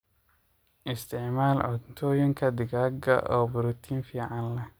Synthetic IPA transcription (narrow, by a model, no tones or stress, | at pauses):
ʔɪst̪ʰɪʕmaːlʕʊdt̪ʰɔːjɪŋkʰɐd̪ɪɡaːɡɐ̰ʔɔːbʊɾut̪ʰiːnfiːʕɑnlɛ